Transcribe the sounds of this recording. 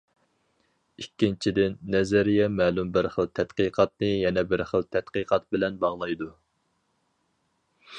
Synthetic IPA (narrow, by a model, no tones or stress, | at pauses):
ikʲːint͡ʃʰid̪ɪnːɛzɛɾijɛmɛːlumbɪɾχəlˠt̪ʰɛt̪qiqʰɑt̪̚nɨjɛnɛbɪɾχəlˠt̪ʰɛt̪qəqɑt̪̚bɪlɛnbɑʁlˠɑjd̪u